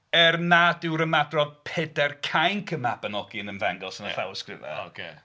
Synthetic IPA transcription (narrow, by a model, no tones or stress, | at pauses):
ɛrnadɪwɾəmadrɔd̥̚pʰɛdɛrkʰajnkʰəmabənɔɡɪnənvaŋɡɔlˠsənəθawskrɪ̰va̰kʰḛ